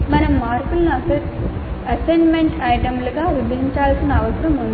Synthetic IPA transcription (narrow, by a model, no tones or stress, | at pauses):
mɐnɐmːaːɾkulɐnuɐ | ɐsenmeɳʈɐjʈɐmluɡaːʋibʱɐɦiɲt͡ʃaːlsinɐɐʋɐsɐɾɐmund̪